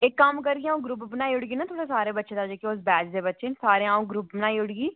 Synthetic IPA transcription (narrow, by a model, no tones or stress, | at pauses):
ɪkːəmkəɾɡiaːũːɡɾʊpbənaːiːʊɽɡiːnaːt̪ʰoːɽeːsaːɾeːbətːʃẽːd̪aːd͡ʒeːkeʊs̬bɛːd͡ʒd̪eːbətːʃeːsaːɾeːãːũːɡɾʊpbənaːiːʊɽɡiː